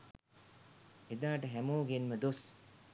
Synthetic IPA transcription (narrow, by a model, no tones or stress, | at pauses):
ed̪aːʈəɦæmoːɡenməd̪os